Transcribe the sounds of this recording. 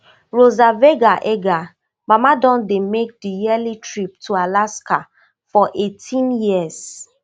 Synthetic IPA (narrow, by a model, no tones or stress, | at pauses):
ɹozaveɡaʔeɡa | mamadɔ̃ndemek̚dijɛlitʰɹip̚tʰualaska | fɔʔetʰĩnjiəs